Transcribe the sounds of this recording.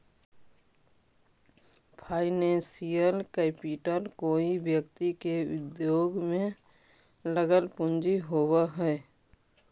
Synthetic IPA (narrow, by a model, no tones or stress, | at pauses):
pʰaːɪnẽːsijəlkeːpiːʈəɾkoːibjəkt̪ikeʊ̰d̪joːɡmẽ | ləɡəlpʊ̃nd͡ʒiɦoːwaɦɛː